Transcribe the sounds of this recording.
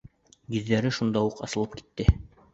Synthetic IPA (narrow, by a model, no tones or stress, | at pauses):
ɡĭðːæɾɘʃund̪ɑuqɑ̰sɤ̆lˠɤp̚ki̥t̪ːɘ